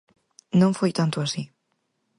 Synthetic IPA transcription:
nõɱfojt̪ant̪uasi

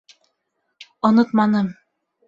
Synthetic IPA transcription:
ŏnɤt̪mɑnɤm

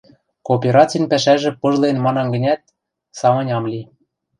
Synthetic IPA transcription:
koːpʲeɾɑt͡sʲinpæʃæʒɘ̆pɤ̆ʒlˠenmɑnɑnɡɘ̆nʲæt̪̚ | sɑmɤ̆nʲɑmlʲi

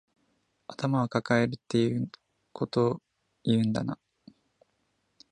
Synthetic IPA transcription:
at̪amaβakakae̞ɾɯ̟t̪ːe̞jɯː | kʰo̞t̪o̞ | iɯ̟̃nd̪a̰na

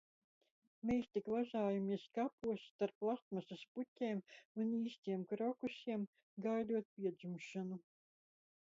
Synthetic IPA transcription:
mejst̪ikvaʒaːjamiɛskapuɔst̪aɾplˠat̪masasputʲeːmuniːsʲt̪ʲiɛmkɾɔkusʲiɛm | ɡajd̪uɔt̪̚pʲiɛd̪zumʃanu

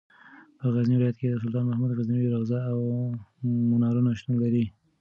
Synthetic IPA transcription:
pəɣazniwɪlɑjat̪̚ked̪əs̬ʊlt̪ɑːnmahmud̪ɣazniɾaɣzɑaw | mʊnɑɾunaʃt̪unlaɾi

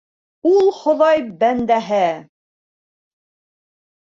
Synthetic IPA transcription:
ulˠχŏðɑjbænd̪æɦɘ

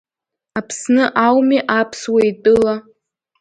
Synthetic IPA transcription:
apʰsnɨʔawmiʔapʰswaitʼɨla

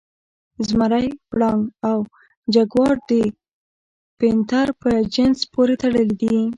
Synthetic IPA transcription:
zmaɾajpɽɑŋaw | d͡ʒaɡwɑɽd̪ə | pent̪aɾpəd͡ʒɪnzpoɾet̪aɽəld̪i

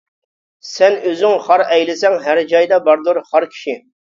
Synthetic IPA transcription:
sɛnøzɪŋχɑɾɛjlɪsɛŋɦæɾd͡ʒɑjd̪ɑbɑɾd̪uɾχɑɾkʲʰi̥ʃi

